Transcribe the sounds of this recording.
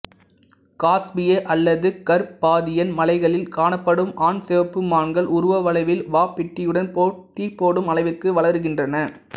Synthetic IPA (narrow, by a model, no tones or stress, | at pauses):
kaːsbɪjeʔɐlːɐðɯkɐɾpaːðɪjɐnmɐlɐɪɣɐɭɪlkaːɳɐpːɐɽɯmaːnsɛʋɐpːɯmaːɳɡɐɭʔʊɾʊʋɐʋɐlɐɪʋɪlʋaːpːɪʈːɪjɯɽɐnpoːʈːipːoːɽɯmɐlɐɪʋɪrkɯʋɐɭɐɾɯɣɪndrɐnɐ